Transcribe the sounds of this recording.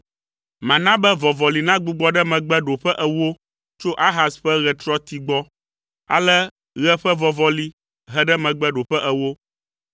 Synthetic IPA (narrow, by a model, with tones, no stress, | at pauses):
mã˨nã˦bɛ˦vɔ˨vɔ˨li˨nã˦ɡ͡bu˨ɡ͡bɔ˦ɖɛ˦mɛ̃˨ɡ͡bɛ˦ɖo˨ɸɛ˦ʔɛ˨wo˦ | t͡ʃo˦ʔa˦ɦa˨sɸɛ˦ɣɛ˨t̪ɾɔ˦t̪i˨ɡ͡bɔ˦ | a̰˦lɛ˦ | ɣɛ˦ɸɛ˦vɔ˨vɔ˦li˦ | ɦɛ˦ɖɛ˦mɛ̃˨ɡ͡bɛ˦ɖo˨ɸɛ˦ʔɛ˨wo˦